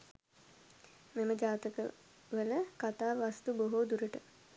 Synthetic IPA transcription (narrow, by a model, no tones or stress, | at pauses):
meməd͡ʒaːt̪əkə̰ | ʋələkat̪aːʋast̪uboɦoːd̪uɾəʈə